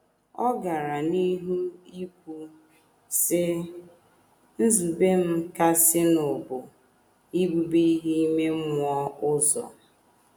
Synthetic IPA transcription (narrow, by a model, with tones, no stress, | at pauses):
ɔ˦ɡa˨ɾa˨ni˦ɦu˦i˦kʷu˨ | sɪ˦ | n̩˦zu˨be˦m̩˦ka˦sɪ˦nʊ˨bʊ˨ | i˦bu˨bi˦i˦ɦi˦i˦me˦m˦ɔ˦ʊ˦zɔ̰˨